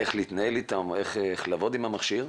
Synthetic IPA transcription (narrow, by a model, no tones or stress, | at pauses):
e̞χliit̪naelit̪ameχeχlavo̞d̪imhamaχʃiʁ